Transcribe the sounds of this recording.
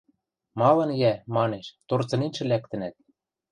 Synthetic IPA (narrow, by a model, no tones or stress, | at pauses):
mɑlɤ̆njæmɑneʃt̪ort͡sɤ̆ninʃɘ̆lækt̪ɘ̆næt̪̚